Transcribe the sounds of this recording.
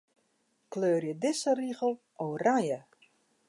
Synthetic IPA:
kløːrjədɪsəriɣəlˠ | ʔowrajə

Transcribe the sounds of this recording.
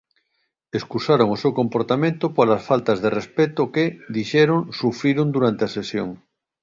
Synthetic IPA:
eskusaɾoŋosewkompoɾt̪amẽnt̪opolasfalt̪azðerespet̪oked̪iʃɛɾõŋsufɾiɾond̪uɾant̪easesjo̰ŋ

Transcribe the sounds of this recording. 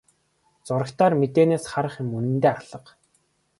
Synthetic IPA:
t͡sʊɾə̆kt̪ʰaːrmet̪eːneːsχaɾə̆χjɪ̆munɘ̆nt̪eːarɮə̆q

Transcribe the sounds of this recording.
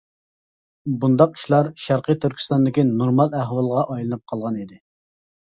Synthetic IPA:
bund̪ɑq̚i̥ʃlˠɑɾʃæɾqʰijt̪ʰyɾkʲʰi̥st̪ɑnd̪ɪkʲinoɾmɑlˠæɦwɑlˠʁɑʔɑjlˠɨnɨp̚qʰɑlˠʁɑnid̪ɪ

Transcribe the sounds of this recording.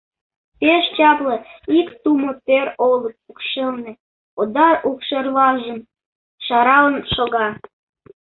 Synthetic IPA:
peʃt͡ɕɑplĕikt̪umot̪eɾolət̪̚ukʃelnĕ | od̪ɑɾukʃerβɑʒəm | ʃɑɾɑlənʃoɣɑ

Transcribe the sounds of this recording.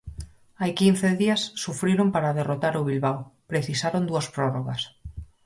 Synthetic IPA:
ajkin̟θeðiasːufɾiɾompaɾaðerot̪aɾʊβ̞ilβawpɾeθisaɾond̪uɐspɾɔroɣas

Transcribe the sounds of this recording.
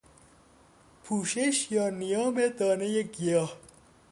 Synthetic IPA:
pʰuːʃeʃjaːnijaːmet̪aːnejekijaː

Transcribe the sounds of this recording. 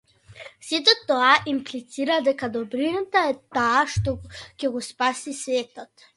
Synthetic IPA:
sit̪ɔt̪ːɔaʔimplit̪siɾad̪ɛkad̪ɔbɾinut̪aɛt̪aːʃt̪ɔkɛɡɔspasisvɛt̪ɔt̪

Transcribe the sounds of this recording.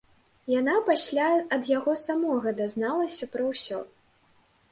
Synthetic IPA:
janapasʲlʲaɐd̪jaɣɔsamɔɣɐd̪aznalˠɐsʲɐpɾɐwsʲɔ̰

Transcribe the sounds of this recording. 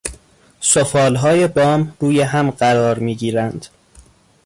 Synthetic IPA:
sofɒːlɦɒːje̞bɒːmɾuːjeɦæmɢæɾɒːɾmiːɡiːɾænd̪̥

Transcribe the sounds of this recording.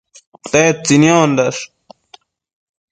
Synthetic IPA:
t̪eːt͡sinjoːnd̪ɐʂ

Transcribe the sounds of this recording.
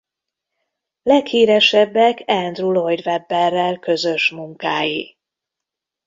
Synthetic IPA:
lɛkhiːɾɛʃɛbːɛkɛnd̪rulojd̪vɛbːɛrːɛlkø̞zø̞ʃmuŋkaːjḭ

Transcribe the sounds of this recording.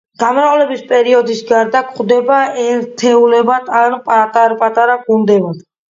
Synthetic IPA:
ɡ̥amɾaulɛbispʼɛɾiɔd̪isɡaɾd̪akʰʼχd̪ɛbaɛɾt̪ʰɛulɛbad̪ʰanpʼat̪ʼaɾpʼat̪ʼaɾaɡund̪ɛbad̪̥

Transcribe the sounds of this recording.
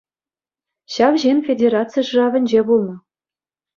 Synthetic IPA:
ɕɑʋʑenʲfʲedʲeɾɑt͡sɨjʂɯrɑvʲɘ̆nʲd͡ʑebulˠnɤ̆

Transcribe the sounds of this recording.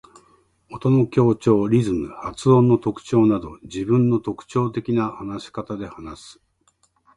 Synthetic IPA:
ot̪o̞no̞kʲo̞ːt͡ɕo̞ːɾʲizɨmɯ̟hat͡sɨõ̞nːo̞t̪o̞kɯ̥t͡ɕo̞ːnad̪o̞d͡ʑibɯ̟̃nːo̞t̪o̞kɯ̟̥t͡ɕo̞ːt̪e̞kʲinahanaɕi̥kat̪ad̪e̞hanasɨ̥

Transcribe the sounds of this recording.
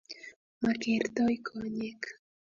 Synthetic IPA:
makeɾt̪ojkʰoɲek

